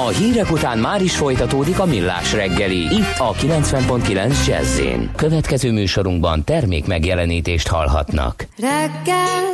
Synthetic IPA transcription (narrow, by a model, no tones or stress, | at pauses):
ɒɦiːɾɛkut̪aːnmaːɾiʃfo̞jt̪ɒt̪oːd̪ikɒmilːa̰ːʃrɛɡːɛliit̪ːɒkilɛnt̪sʋɛmpo̞nt̪kilɛnzd͡ʒɛ̰zːḛːnkø̞vɛt̪kɛzøːmyːʃo̞ɾuŋɡbɒnt̪ɛrmḛːkmɛɡjɛlɛniːt̪eːʃt̪hɒ̰lɦɒ̰t̪nɒ̰kɾɛɡɛl